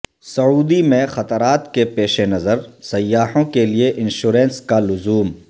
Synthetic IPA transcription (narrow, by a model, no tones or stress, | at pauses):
sɐuːd̪imẽxɐt̪əɾaːt̪kepeːʃenɐzəɾsɐjːaːɦõkelieʔɪnʃuːɾẽːnskalʊzuːm